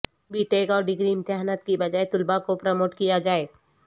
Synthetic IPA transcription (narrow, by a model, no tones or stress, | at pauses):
biʈeːkɔːɾɖɪɡɾimt̪jaɦnət̪kibɐd͡ʒaːet̪ʊlbakopɾəmoːʈkijad͡ʒaːeː